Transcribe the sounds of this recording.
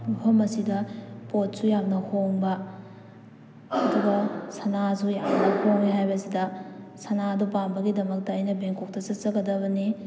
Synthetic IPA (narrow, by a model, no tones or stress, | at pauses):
pʰɐmɐsidɐpot̚sujamnɐhoŋbɐ | duɡɐsɐnas̬ujamnɐhoŋniɦajbɐsidɐsɐnadupanbɐɡidɐmɐk̚tɐːjnɐbeŋkok̚tɐsɐt̚t͡ʃɐɡɐdɐβɐni